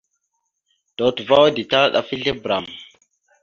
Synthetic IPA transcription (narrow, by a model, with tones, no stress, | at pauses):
d̥o˨tva˦wdi˨ta˦ɗa̰˨fi˦ɮe˦bɾa˨m